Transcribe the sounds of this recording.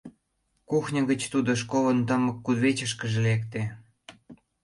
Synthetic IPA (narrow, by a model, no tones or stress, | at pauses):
kuxnʲə̆ɣət͡ɕt̪ud̪oʃ̬koβə̆nt̪əməkːud̪βet͡ɕəʃkə̆ʒelekt̪e